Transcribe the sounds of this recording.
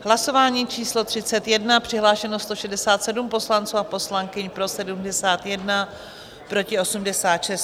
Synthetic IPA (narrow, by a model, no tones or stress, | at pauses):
ɦlaso̞vaːɲiːt͡ʃiːslo̞t̪r̝̥ɪt͡sɛt̪jɛdnapr̥ɪɦlaːʃɛnost̪o̞ʃɛdɛsaːt̪sɛdumpo̞slant͡suːapo̞slaŋkɪɲpɾo̞sɛdumdɛsaːt̪jɛdna | pɾo̞cɪosumdɛsaːt̪ʃɛst̪